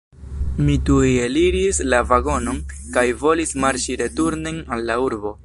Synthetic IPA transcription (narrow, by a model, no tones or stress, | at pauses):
mitujeliɾislavaɡo̞no̞nkajvo̞lismaɾt͡ʃiɾe̞tuɾnenalːauɾbo̞